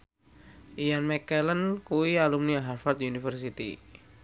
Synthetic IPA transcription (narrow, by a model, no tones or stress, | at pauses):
ʔianmɛkɛlənkuwialumniaɦarfart̪unifərs̬it̪ḭ